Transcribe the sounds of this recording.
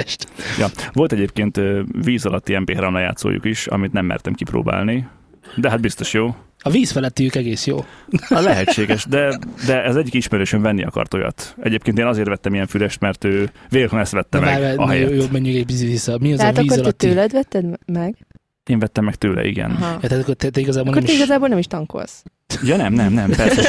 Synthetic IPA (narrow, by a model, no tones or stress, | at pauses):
ʃt̪jɒvo̞lt̪ɛɟeːpkeːnt̪viːzɒlɒt̪ːiɛmpeːɦɾamlɒja̰ːt̪so̰ːjṵkiʃɒ̰mit̪nɛmːɛ̰rt̪ɛmkipɾo̰ːba̰ːlni | d̪ɛɦad̪̚bist̪oʃjoː | ɒviːsfɛlɛt̪ːiøːkɛɡeːsjo̰ːlɛɦɛt͡ʃːeːɡɛʃd̪ɛd̪ɛɒzɛɟːikiʃmɛɾøːʃøɱvɛnːiɒkɒ̰rt̪o̞jɒ̰t̪ɛɟeːpkeːnt̪eːnɒzeːrt̪vɛt̪ːɛmijɛɱfylɛʃt̪mɛrt̪øːveːlhonɛst̪ʋɛt̪ːɛmɛɛɛɒɦɛjɛjoːmɛɲːyɡɛbiziisɒmiɒzd̪ɛatvkiːzkːoɾlɛt̪ːøːlɛd̪vɛt̪ːɛd̪mɛɡ | eːɱvɛt̪ːɛmːɛkt̪øːlɛ̰ʔḭɡɛ̰nɦjt̪at̪kːot̪ɛt̪ɛiɡɒzaːbolnk̪orɛmit̪ɛiɡɒzaːbolɛmiʃt̪ɒŋko̰ls | jɒnɛmnɛmnɛmpɛrssɛ